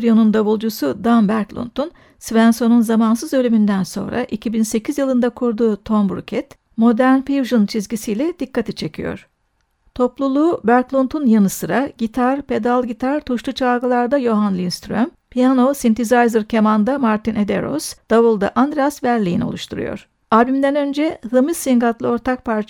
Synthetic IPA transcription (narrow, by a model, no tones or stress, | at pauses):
ɾijonund̪aβulˠd͡ʒusud̪anbæɾklˠṵnt̪un | svænso̞nunzamansɯzø̞lʲymynd̪ænso̞̰nɾa̰ʔicʰibinse̞cʰizjɯlˠɯnd̪akʰuɾd̪uːt̪ʰo̞mbɾṵcʰɛt̪ | mo̞d̪æɾnfiuʒunt͡ʃʰizɟʲisijlʲɛd̪̥ikːat̪ʰit͡ʃʰe̞cʰijo̞̰ɾ̝̥ | t̪ʰo̞plˠulˠuːbæɾklˠunt̪ʰunjanɯsɯɾaɟit̪ʰaɾpe̞d̪alˠɟit̪ʰaɾt̪ʰuʃlˠut͡ʃʰalɡɯlˠaɾd̪ajoɦanlʲˠiinst̪ɾøm | pʰijanosint̪ʰizajzɯɾcʰemand̪amaɾt̪inʔe̞d̪ḛɾo̰sd̪̥aβulˠd̪a̰ʔand̪ɾijasvæɾlʲijḭnio̞̰uʃt̪ʰuɾṵjo̞̰ɾ̥ | aːbimd̪ænø̞nd͡ʒɛhɯmɯzːiŋɡat̪lˠɯo̞ɾt̪ʰak̚pʰaɾt͡ʃ